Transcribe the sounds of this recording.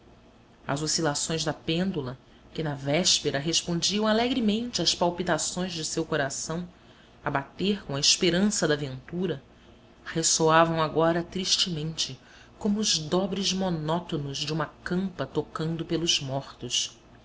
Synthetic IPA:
ɐ̰zosilasõj̃zd̪ɐpẽnd̪ulɐ | kɪnɐvɛʃpeɾɐɦeʃpõd͡ʒiɐ̃w̃alɛɡɾimẽnt͡ʃɪɐspawpit̪asõj̃zd͡ʒɪsewkoɾasɐ̃w̃ | ɐbat̪eɾkõɐɪʃpeɾɐ̃sɐd̪ɐvẽnt̪uɾɐ | hesoavɐ̃w̃aɡɔɾɐt̪ɾiʃt͡ʃɪmẽnt͡ʃɪ | kõmʊːzd̪ɔbɾɪzmonɔt̪onʊzd͡ʒɪũmɐkɐ̃mpɐt̪okɐ̃nd̪ʊpelˠʊzmɔχt̪ʊʃ

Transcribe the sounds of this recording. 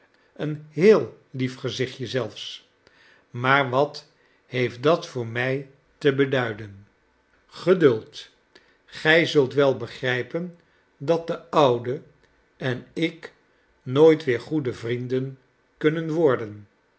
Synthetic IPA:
ənɦɪːlˠ | lifχəzɪχjəzɛlˠfs | maːɹʋɑt | hejftdɑtfʊːɹmɛj | təbədœɥdən | χədɵlˠt | χɛjzɵlˠtʋɛlˠbəχrɛjpən | dɑt̚dəʌwdə | ɛnɪk | noːjtʋɪːɹχudəvrindən | kɵnənʋɔɹdən

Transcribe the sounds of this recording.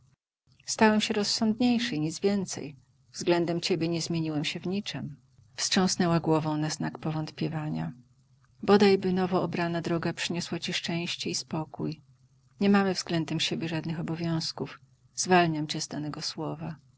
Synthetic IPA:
st̪awɛmɕɛɾɔsːɔnd̪ɲejʂɛjɲid̪zvʲjɛnt̪sɛ̰j | vzɡlɛnd̪ɛmt͡ɕɛbʲjɛɲɛzmʲjeɲiwɛmɕɛvɲit͡ʂɛm | fst͡ʂʂɔ̃w̃snɛwaɡwɔvɔ̃w̃naznakpɔvɔnt̪pʲjɛvaɲa̰ | bɔd̪ajbɘnɔvɔɔbɾanad̪ɾɔɡapʂɘɲɔswat͡ɕiʂt͡ʂɛ̃w̃ɕt͡ɕɛispɔkuj | ɲɛmamɘvzɡlɛnd̪ɛmɕebʲjɛʐad̪nɘxɔbɔvʲjɔ̃w̃skuf | z̥valɲamt͡ɕɛzd̪anɛɡɔswɔva

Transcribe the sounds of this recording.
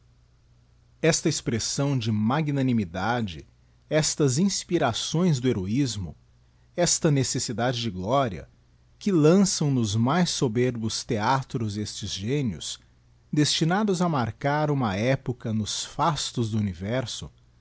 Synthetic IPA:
ɛst̪ɐespɾesɐ̃w̃d͡ʒɪmaɡinɐnimid̪ad͡ʒɪ | ɛst̪ɐzĩspiɾasõj̃zd̪ʊeɾoizmʊ̰ | ɛst̪ɐnesesid̪ad͡ʒɪd͡ʒɪɡlɔɾiɐ̰ | kɪlɐ̃sɐ̃w̃nʊzmajsːobeɾbʊst̪eat̪ɾʊzest͡ʃɪzʒẽniʊ̰s | d̪est͡ʃinad̪ʊzɐmaɾkaɾũmɐɛpʊkɐnʊsfast̪ʊzd̪ʊunivɛɾsʊ̰

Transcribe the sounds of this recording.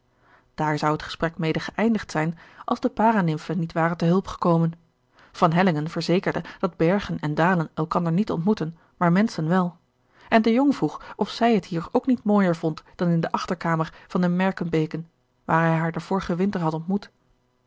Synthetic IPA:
d̥aːɹzʌwətχə̥sprɛkmejdəχəʔɛjndəχtsɛjnʔɑlˠzdəpaːranɪmfənitʋaːrəntəɦɵlˠpχə̥kowmən | v̥ɑnɦɛlɪŋənvəɹzejkəɹdəd̥ɑd̚bɛɹχənɛndaːlənɛlˠkɑndəɹnitɔ̰ntmutən | maːɹmɛnsənʋɛlˠ | ʔɛndəjoŋvruχɔfsɛjɦətɦiːɹowknitmoːjəɹvɔntd̥ɑnɪndəʔɑχtəɹkaːməɹv̥ɑndəmɛɹkənbejkən | ʋaːɹɦɛjɦaːɹdəv̥ʊːɹəχəʋɪntəɹɦɑtɔntmut

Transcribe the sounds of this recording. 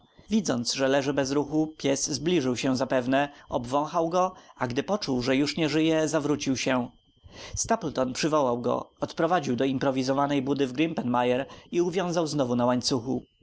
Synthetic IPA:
vʲid̪zɔnt̪sʐɛlɛʐɘbɛzɾuxupʲjɛszblʲiʐɘwɕɛzapɛvnɛɔbvɔ̃w̃xawɡɔaɡd̪ɘpɔt͡ʂuwʐɛjuʂɲɛʐɘjɛzavɾut͡ɕiwɕɛ | st̪aplt̪ɔnpʂɘvɔwawɡɔ̰ɔt̪pɾɔvad͡ʑiwd̪ɔimpɾɔvʲizɔvanɛjbud̪ɘvɡɾimpɛnmajɛɾiuvʲjɔ̃w̃zawznɔvunawaɲt̪suxṵ

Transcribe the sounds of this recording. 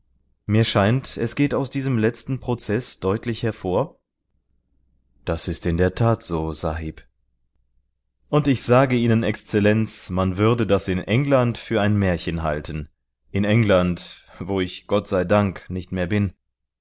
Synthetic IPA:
miːɐʃaɪntɛsɡ̥eːtaʊsd̥iːzəmlɛt͡stn̩pʁ̥ot͡sɛsd̥ɔʏtʰlɪçhɛɐfoːɐ | d̥asɪstɪndeːɐtʰaːtz̥oːz̥aɦiːp | ʔʊntɪçz̥aːɡəiːnənɛkst͡sɛlɛnt͡smanvʏɐdədasɪnʔɛŋlantfyːɐaɪnmɛːɐçənɦa̰ltʰən | ʔɪnɛŋlantvoːɪçɡ̥ɔtz̥aɪdaŋknɪçtmeːɐbɪn

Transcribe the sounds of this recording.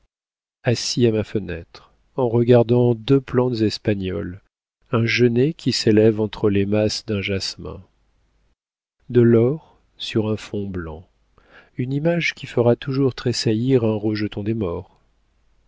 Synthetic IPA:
asiamafənɛ̰t̪χ | ɑ̃ʁəɡaʁd̪ɑ̃d̪øplɑ̃t̪zɛspaɲɔ̰l | ɛ̃ʒənekʲʰiselɛvɑ̃t̪χəlemasd̪ɛ̃ʒasmɛ̰̃ | d̪əlɔʁ | syʁɛ̃fɔ̃blɑ̰̃ | ynimaʒkʲifəʁat̪uʒuʁt̪χesajiʁɛ̃ʁəʒət̪ɔ̃d̪emɔʁ

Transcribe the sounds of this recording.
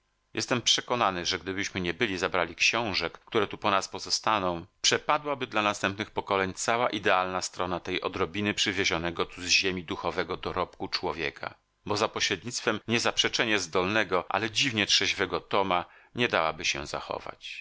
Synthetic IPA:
jʔɛst̪ɛmpʂɛkɔnanɘʐɛɡd̪ɘbɘɕmɘɲɛbɘlʲizabɾalʲikɕɔ̃w̃ʐɛkːt̪uɾɛt̪upɔnaspɔzɔst̪anɔ̃w̃pʂɛpad̪wabɘd̪lanast̪ɛmpnɘxpɔkɔlɛɲt̪sawaʔid̪ɛalnast̪ɾɔnat̪ɛjʔɔd̪ɾɔbʲinɘpʂɘvʲjeʑɔnɛɡɔt̪uzʑemʲid̪uxɔvɛɡɔd̪ɔɾɔpkut͡ʂwɔvʲjɛ̰kʰa̰ | bɔzapɔɕɾɛd̪̚ɲit̪st̪fɛmɲɛzapʂɛt͡ʂɛɲɛzd̪ɔlnɛɡɔʔa̰lɛd͡ʑivɲɛtʂɛʑvɛɡɔt̪ɔmaɲɛd̪awabɘɕɛ̰za̰xɔ̰va̰t͡ɕ

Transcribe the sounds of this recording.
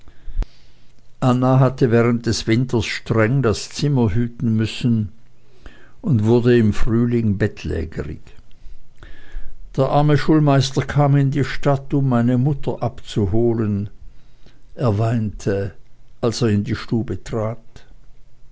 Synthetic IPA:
ʔanaɦatəvɛːʁ̞ənt̚d̥ɛsv̥ɪntʰɐsʃtʁ̥ɛŋdast͡sɪmɐhyːtn̩mʏsn̩ | ʔʊntv̥ʊɐdəɪmfʁyːlɪŋbɛtʰlɛ̰ːɡə̰ʁɪ̰ç | d̥eːɐʔaɐməʃuːlmaɪstɐkʰaːmɪndiːʃtatʊmːaɪnəmʊtʰɐʔapt͡suhoːlən | ʔeːɐvaɪntʰəʔalseːɐɪndiːʃtuːbətʁ̥aːt

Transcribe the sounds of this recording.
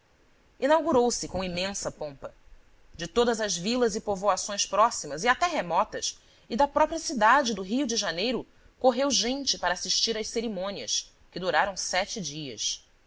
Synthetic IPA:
inawɡuɾowsɪkõw̃imẽsɐpõmpɐ | d͡ʒɪt̪od̪ɐzɐʒvilɐzɪpovoasõj̃spɾɔsimɐziat̪ɛɦemɔt̪ɐs | ɪd̪ɐpɾɔpɾiɐsid̪ad͡ʒɪd̪ʊɦiʊd͡ʒɪʒanejɾʊ | koɦewʒẽnt͡ʃɪpaɾɐaːsiʃt͡ʃiɾɐʃseɾimõniɐ̰s | kɪd̪uɾaɾɐ̃w̃sɛt͡ʃɪd͡ʒiɐ̰s

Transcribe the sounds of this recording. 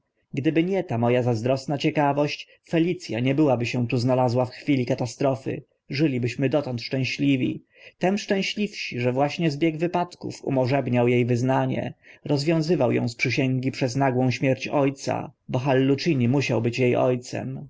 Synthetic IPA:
ɡd̪ɘbɘɲɛt̪amɔjazazd̪ɾɔsnat͡ɕɛkavɔɕt͡ɕ | fɛlʲit̪sʲja̰ɲɛbɘwabɘɕɛ̃t̪uznalazwafxfʲilʲikat̪ast̪ɾɔfɘ̰ | ʐɘlʲibɘɕmɘd̪ɔt̪ɔ̃nt̪ʂt͡ʂɛ̃w̃ɕlʲivʲḭ | t̪ɛmʂt͡ʂɛ̃w̃ɕlʲifɕiʐɛvwaɕɲɛzbʲjɛɡvɘpat̪kṵfṵmɔʐɛbɲawjejvɘznaɲɛ̰ɾɔzvʲjɔ̃w̃zɘvawjɔ̰̃w̃spʂɘɕɛŋɡʲipʂɛznaɡwɔ̃w̃ɕmʲjɛɾt͡ɕɔjt̪sa̰bɔxalːut͡ʂiɲimuɕawbɘt͡ɕjejɔ̰jt̪sɛ̰m

